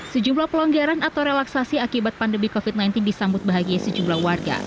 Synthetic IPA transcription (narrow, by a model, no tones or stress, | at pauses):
səd͡ʒumlahpəlɔŋɡaɾanat̪awɾelaksasiakibat̪̚pandəmihkofit̪̚najnt̪ɪndisambʊt̪̚baɦaɡiasəd͡ʒumlahwarɡa̰